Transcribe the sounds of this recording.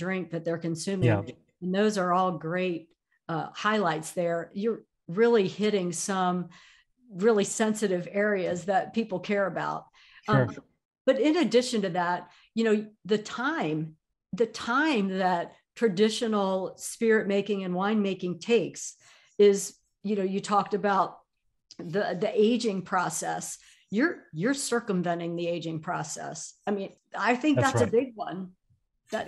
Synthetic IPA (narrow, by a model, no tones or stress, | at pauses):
dɹɪ̃ŋk̚ðɨt̪̚ðə˞kɨ̃nsʉ̃mɪ̃ŋ̃ | nðoʊzə˞ɔlˠɡɹeɪt̚ | ʌhaɪlaɪtsðə˞jə˞ | ɹɪlˠihɪɾɪ̃ŋsʌ̃m | ɹɪlˠisɛ̃nsɨɾɨvɛɹiɨzðɨt̚pʰipl̩ˠkʰɛɹɨba̰ʊt̚ | b̥ʌɾɪ̃nɨdɪʃɨ̃ntɨðæt̚ | jɨñoʊðɨtʰãɪ̃m | ðɨtʰãɪ̃mðɨt̚ | tʰɹ̥ɨdɪʃɨnl̩ˠspɪɹɨt̚meɪkɪ̃ŋɨ̃nwãɪ̃nmeɪkɪ̃ŋtʰeɪks | ɪz | jɨnoʊjɨtʰɔk̚tɨbaʊt̪̚ | ðiðiʔeɪd͡ʒɪ̃ŋpʰɹ̥ɔsɛ̰s | jə˞jə˞sɜ˞kə̃mvɛ̃nɪ̃ŋðieɪd͡ʒɪ̃ŋpʰɹ̥ɔsɛ̰saɪmĩn | aɪθɪ̃ŋk̚ðætsɨbɪɡ̚wʌ̃n | ðɨt